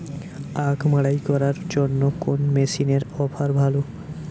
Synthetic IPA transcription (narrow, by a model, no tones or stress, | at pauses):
akʰmaɽajkɔɾaɾd͡ʑonːokonmesineɾɔfʰaɾbʱalo